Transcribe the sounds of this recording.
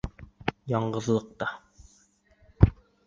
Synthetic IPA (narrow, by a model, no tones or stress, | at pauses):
jɑɴɢɤ̆ðlˠɤ̆q̚t̪ɑ